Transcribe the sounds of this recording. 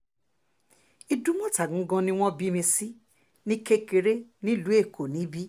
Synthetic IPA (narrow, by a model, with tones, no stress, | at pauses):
i˧du˦mɔ̃˦ta˨ɡũ˨˦ɡɔ̃˧nĩ˦w̃ɔ̃˦bi˨˦mĩ˧si˦ | nĩ˦ke˦˧ke˧ɾe˦nĩ˦lu˨˦e˦˨kʰo˨nĩ˨˦bi˦